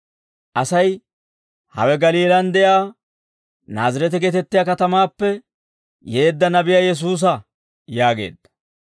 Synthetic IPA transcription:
ʔɐsɐj | hɐ̰wɛɡɐliːlɐnd̪ɛjaː | naːzɐɾɛt̪̬ɪɡɛt̪ɛt̪ːɪjaːkɐt̪ɐmaːpːɛ | je̞ːd̪ːɐnɐbɪjaːjɛs̬uːs̬ɐ | jaːɡe̞̰ːd̪ːɐ̥

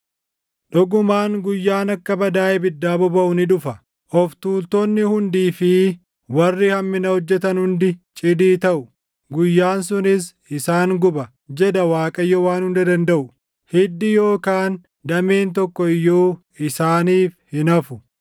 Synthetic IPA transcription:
ᶑɔɡʊmaːŋɡʊjːaːnɐkːɐbɐd̪aːjɛbɪd̪ːaːbɔbɐʔʊnɪᶑʊfɐ | ʔɔft̪uːlt̪onːɪhʊnd̪iːfɪ | wɐrːɪhɐmːɪnɐhɔd͡ʒːɛt̪̬ɐnhʊnd̪ɪt͡ʃʼɪd̪iːt̪ɐʔʊ | ɡʊjːaːns̬ʊnɪs | ɪsaːŋɡʊbɐ | d͡ʒɛd̪ɐwaːkʼɐjːɔwaːnhʊnd̪ɐd̪ɐnd̪ɐʔʊ | hɛd̪ːɪjo̞ːkaːn | d̪ɐmeːnt̪ɔkːɔɪjːoː | ɪsaːniːfhɪnɐfʊ

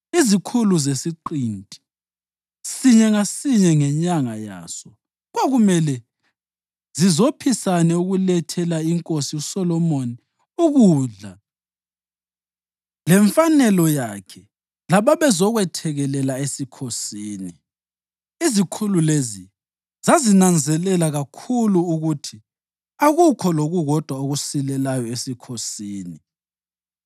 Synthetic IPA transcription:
izikʰuluzesiǃintʼi̥ | siɲɛŋasiɲɛŋɛɲaŋaja̰ːsɔ | ɣoɣumɛlɛ | z̥izopʰisanɛuɣulɛtʰɛlaiŋkʼosiusɔlɔmoni | uɣuːɮa | lɛɱfanɛlɔjakʰɛ | laβaβɛzɔɣwɛtʰɛɣɛlɛlaesikʰosiːni | izikʰululezi | zazinand͡zʱɛlɛlaɣakʰuluːɣutʰi | aɣukʰɔloɣuɣɔd̥ʱwaoɣusilɛlajɔesikʰosiːni

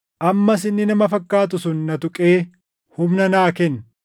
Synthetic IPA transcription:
ʔɐmːɐs̬ɪnːɪnɐmɐfɐkːaːt̪̬ʊsʊnːɐt̪ʊkʼeː | hʊmnɐnaːkɛn

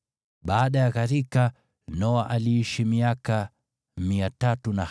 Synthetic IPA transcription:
ɓaːɗajaɣaɾika | nɔaʔaliiʃimiaka | miatatuna

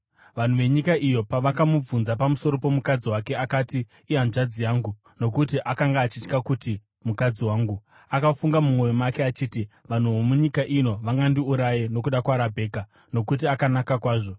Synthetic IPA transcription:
ʋan̤uʋe̞ɲikaʔijo̞paʋakamub͡vunzapamuso̞ɾo̞po̞mukad͡ziwake̞akatiː | anʐad͡zijaːŋɡu | no̞k̬utiʔakaŋɡaːt͡ʃit͡ʃkakuti | mukad͡ziwaːŋɡu | akafuŋɡamumwo̞jomake̞at͡ʃiːti | ʋan̤uʋomuɲikaʔino̞ʋaŋɡandiuɾajeno̞kuɗakwaːɾabʱe̞ːka | no̞kut̬iakanakakwaːʐo̞

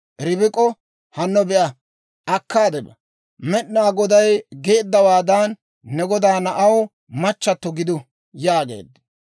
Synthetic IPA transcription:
ɾɪbɪkʼɔ | hɐnːɔbɛʔɐ | ʔɐkːaːd̪ɛbɐ | mɛɗnaːɡɔd̪ɐjɡe̞ːd̪ːɐwaːd̪anː | ɛɡɔd̪aːnɐʔɐw | mɐt͡ʃːɐt̪ːɔɡɪd̪ʊ | jaːɡḛːd̪

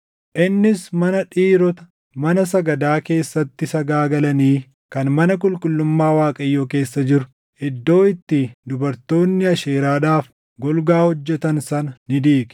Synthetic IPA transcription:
ʔɪnːɪsmɐnɐᶑiːɾɔt̪ɐ̥ | mɐnɐsɐɡɐd̪aːke̞ːsːɐt̪ːɪsɐɡaːɡɐlɐniː | kɐnmɐnɐk̬ʼʊlkʼʊlːʊmːaːwaːkʼɐjːoːke̞ːsːɐd͡ʒɪɾʊ̥ | ʔɪd̪ːo̞ːɪt̪ːɪd̪ʊbɐɾt̪o̞ːnːɪɐʃeːɾaːᶑaːf | ɡɔlɡaːhɔd͡ʒːɛt̪ɐnsɐnɐnɪd̪iːk

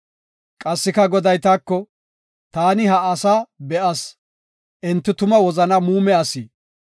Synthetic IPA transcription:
kʼɐsːɪkɐɡɔd̪ɐjt̪aːkːɔ | t̪aːnɪɦɐːsaːbɛʔɐs | ʔɪnt̪ːɪt̪ʊmɐwɔzɐnɐmuːmɛɐsiː

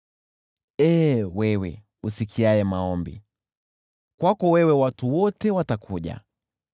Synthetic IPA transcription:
ɛːwɛwɛ̰ | usikʰiajɛmaɔmbḭ | kwakɔwɛwɛwatuwɔtɛwatakʰuʄa̰

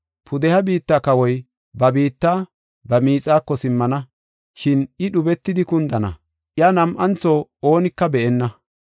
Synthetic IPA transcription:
pʰʊd̪ɛhɐbiːt̪ːaːkɐwɔj | bɐbiːt̪ːaː | bɐmiːt͡sʼaːkːɔsɪmːɐnɐ | ʃɪnɪɗʊbɛt̪ːɪd̪ɪkʊnd̪ɐnɐ̰ | ʔjanɐmʔɐnt͡sɔoːnɪkːɐbɛʔɛnːɐ

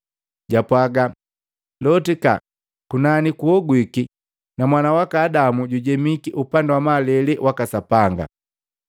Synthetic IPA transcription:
ɟapwaɡa | lɔtika̰ | kunanikuɔɡwiki | namwanawakaːdamuɟuɟɛmikiʔupandawamalɛlɛwʔakasapaŋɡa̰

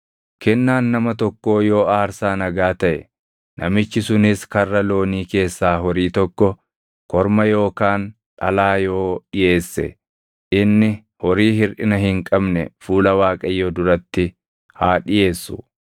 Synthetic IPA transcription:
kɛnːaːnːɐmɐt̪ɔkːo̞ːjo̞ːaːɾsaːnɐɡaːt̪ɐʔɛ̰ | nʔɐmɪt͡ʃːɪsʊnɪskɐrːɐlo̞ːniːke̞ːsːaːɦɔɾiːt̪ɔkːɔ | kɔɾmɐjo̞ːkaːn | ᶑɐlaːjo̞ːᶑɪje̞ːsːɛ̰ | ʔɪnːɪ | hɔɾiːɦɪɾʔɪnɐɦɪŋkʼɐbnɛfuːlɐwaːkʼɐjːoːd̪ʊɾɐt̪ːɪ | haːᶑɪje̞ːsːʊ

